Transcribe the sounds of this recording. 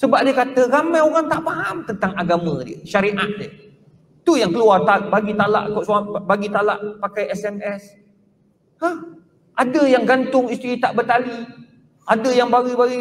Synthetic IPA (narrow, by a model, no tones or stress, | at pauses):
səbap̚diəkat̪əɾamãjoɾaŋt̪aʔmaɦamt̪ənt̪aŋaɡamə̃diə̰ʃaɾiʔa̰ʔdəh | t̪ujaŋkəluart̪abaɡit̪ala̰ʔkoʔsaŋbaɡit̪alaʔpakajɛsɛnɛs | hah | ʔadəjaŋɡant̪ʊŋist̪ɾit̪aʔbərt̪ali | adəjaŋbaɣibaɣi